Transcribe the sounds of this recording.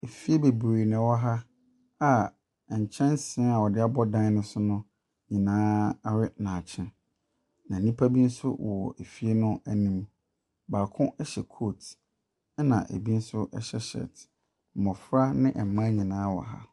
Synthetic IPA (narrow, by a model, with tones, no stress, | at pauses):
e˨fi˦e˦be˨bɾe˨nɪ̃˨wɔ˦ɦa˦ | a˨ | ɲ̩˨t͡ɕʰɛ̃˦nsɪ̃˨˦a˨wɔ˨dɪ˦a˦bɔ˦dã˦n˦nɪ̃˨˦sʊ˦nʊ̃˦ | ɲĩ˨nãː˦ɾɪ˦nã˨t͡ɕʰɪ̃˦ | nã˨nĩ˦pʰa˦bi˦n̩˦sʊ̰˦wɔ̰˨ʔe˨fi˦e˦nʊ̃˦æ˨nĩ˦m | baː˨kʰʊ̃˦ɛ˦ɕɛ˨kʰo˦˨t | ɛ˦nã̰˨ʔḛ˨bi˦n̩˦sʊ˦ʔɛ˦ɕɛ˦ɕɛ̰˨t̩˨ | mɔ̃˨fɾa˦nɪ̃˦ʔɛ˨m˨mã˦ɲĩ˨nãː˦wɔ̰˨ɦa̰˦